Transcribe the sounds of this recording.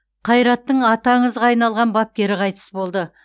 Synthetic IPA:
qʰɑjɾɑt̪ːəɴɑt̪ɑɴəzʁɑːjnɑlˠʁɑnbɑp̚kʲe̞ɾɪqʰɑjt̪ə̥sbo̞lˠd̪ə

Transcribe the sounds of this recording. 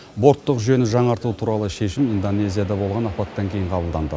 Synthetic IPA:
bo̞ɾt̪ːəqʒʏje̞nɪʒɑɴɑɾt̪uət̪ʰuɾɑlˠəʃe̞ʃɪmind̪o̞ne̞zijad̪ɑbo̞lˠʁɑnɑpɑt̪ːɑŋkʲʰe̞jɪɴqʰɑbəlˠd̪ɑnd̪ə̰

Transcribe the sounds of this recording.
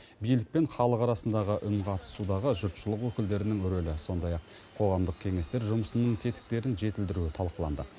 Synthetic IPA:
bijlɪk̚pe̞ɴχɑlˠəqɑɾɑsənd̪ɑʁəʔʏnqʰɑt̪ə̥sud̪ɑʁəʒʊɾt̪ʃəlˠəqwɵkʲɪld̪e̞ɾɪnɪŋʏɾølɪso̞nd̪ɑjɑqʰː | o̞ʁɑmd̪əq̚kʲʰe̞ŋe̞st̪e̞ɾʒʊməsənəɴt̪ʰe̞t̪ɪ̥k̚t̪e̞ɾɪnʒe̞t̪ɪld̪ɪɾuɪt̪ʰɑlˠqəlˠɑnd̪ə

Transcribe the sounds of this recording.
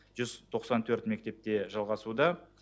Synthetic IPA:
ʒʏzt̪ʰo̞qsɑnt̪ʰɵɾt̪me̞kt̪e̞p̚t̪e̞ʒɑlˠʁɑsud̪ɑ

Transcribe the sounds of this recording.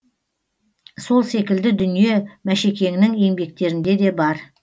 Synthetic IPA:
so̞lˠse̞kʲɪld̪ɪd̪ʏnije̞mæʃekʲe̞ŋnɪŋe̞ŋbe̞k̚t̪e̞ɾɪnd̪e̞d̪e̞bɑɾ

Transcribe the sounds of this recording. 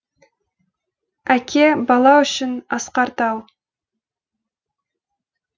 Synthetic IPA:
ækʲʰebɑlˠɑʏʃɪnɑsqɑɾt̪ɑw

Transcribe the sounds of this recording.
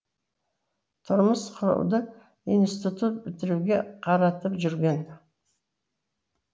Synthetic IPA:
t̪ʰʊɾməsqʰʊɾṵwd̪ə | ijnst̪it̪ut̪̚bɪt̪ɪɾuɡʲe̞qʰɑɾɑt̪əpʒʏɾɡʲe̞n

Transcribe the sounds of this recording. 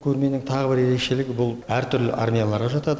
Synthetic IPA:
kʲʰɵɾme̞nɪŋt̪ʰɑʁəbɪɾe̞ɾe̞kʃe̞lɪɡʲɪbʊlˠæɾt̪ʰʏɾlɪ̰ʔarmʲijalˠɑɾʁɑʒɑt̪ɑd̪ə

